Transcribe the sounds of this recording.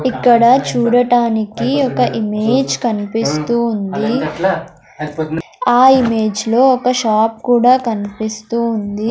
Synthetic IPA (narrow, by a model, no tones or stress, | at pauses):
ikːɐɽɐt͡ʃuːɽɐʈaːnikiɔkɐʔimeːd͡ʒkɐnipist̪uːnd̪i | aːimeːd͡ʒlo̞ːɔkɐʃaːp̚kuːɽaːkɐnipist̪uːnd̪i